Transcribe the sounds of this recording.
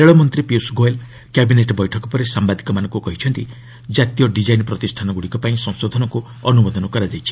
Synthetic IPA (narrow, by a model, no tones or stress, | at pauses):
eɭɔmɔnt̪ɾipiusɡoel | kabineʈɔbɔjʈʰɔkɔpɔɾesambad̪ʱikɔmanɔ̃ŋkukɔɦit͡ʃʰɔnt̪i | d͡ʒat̪ijɔɖid͡ʒajnpɾɔt̪isʈʰanɔɡuɽikɔpaĩsɔ̃ŋ̃sod̪ʱɔnɔŋku | ɔnubɔd̪ɔnɔkɔɾad͡ʒajt͡ʃʰi̥